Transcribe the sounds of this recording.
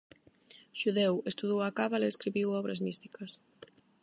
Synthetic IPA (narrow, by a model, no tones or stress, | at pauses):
ʃuðɛwest̪uðowakaβaleeskɾiβiwɔβɾɐzmist̪i̥kɐs